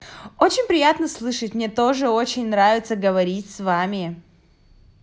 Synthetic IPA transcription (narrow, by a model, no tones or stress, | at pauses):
o̞t͡ɕɪnʲpɾʲɪjat̪nəslˠɨʂətʲmnʲe̞t̪o̞ʐɨo̞t͡ɕɪnʲnɾavʲɪt̪səɡəvɐɾʲitʲsvamʲɪ